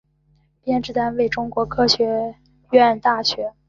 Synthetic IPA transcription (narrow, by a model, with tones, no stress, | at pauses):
pjɛ˥˧nʈ͡ʂɻ̩˥˩t̪a˥nwe˥˩ɪʈ͡ʂʊ˥ŋkwɔ˧˥kʰɤ˥ɕɥɛ˧˥ | ɥɛ˥˩nt̪a˥˩ɕɥɛ˧˥